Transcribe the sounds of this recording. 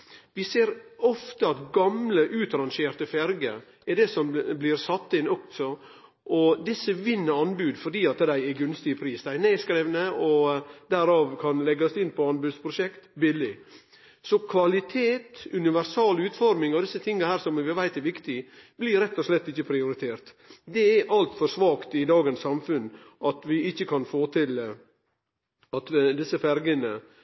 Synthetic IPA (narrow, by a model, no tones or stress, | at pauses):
ʋɪseːɾɔft̪əɑt̪ɡɑmləʔʉːt̪ɾɑnʃeːɾt̪əfɛɾɡə̰ | ɛɖɛsɔmblɪɾsɑt̪ːəɪnɔkt̪sɔ | ʔɔd̪ɪsːəʋɪnːəɾɑnbʉːd̪fɔɾɖiːɑt̪d̪æɪɛɡʉnst̪ɪəpʰɾiːsd̪æɪneːskɾeːʋnəɔd̪æɾɑːʋkʰɑnlɛɡɑsd̪ɪnpʰɔɑnbʉːd̪spʰɾʊʃɛkt̪bɪlɪ | sɔkʰʋɑlɪt̪ʰeːt̪ʉnɪʋæɾsɑːlʉːt̪fɔɾmɪŋɔd̪ɪsət̪ʰɪŋːəhæːɾsɔmʋɪʋæɪt̪æɾʋɪkt̪ɪb̥lɪɾɛt̪ːɔslɛt̪ːɪçːəpʰɾɪʊɾɪt̪ʰeːɾt̪ | d̪ɛæʔɑlt̪fɔɾʂʋɑːkt̪ɪd̪ɑːɡənsːɑmfʉn | ʔɑt̪ʋɪɪçːəkʰɑnfoːt̪ʰɪl | ɑt̪d̪ɪsːəfæɾɡənə